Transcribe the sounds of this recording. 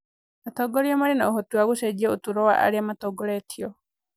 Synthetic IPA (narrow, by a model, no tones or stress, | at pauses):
at̪oɡoɾiomaɾinauɦot̪uaɡused͡ʒiout̪uɾoa̰ʔa̰ɾiamat̪oɡoɾet̪ʰio